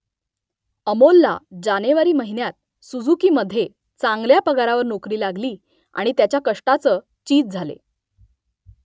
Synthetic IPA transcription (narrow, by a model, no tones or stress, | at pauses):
əmolːa̰d͡ʑaneʋaɾiːməɦinjat̪̚ | sud͡zukiːməd̪ʱːje | t͡saŋɡljapəɡaɾaʋəɾnokɾiːlaɡliː | a̰ɽ̃it̪jat͡ɕjakəʂʈat͡səː | t͡ɕiːd͡zd͡zʱalḛ